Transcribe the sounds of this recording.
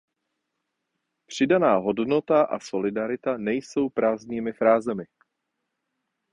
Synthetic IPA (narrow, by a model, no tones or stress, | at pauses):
pr̝̥ɪdanaːɦo̞dno̞t̪aʔa̰so̞lɪdaɾɪt̪anɛjso̞wpɾaːzɲiːmɪfɾaːzɛmɪ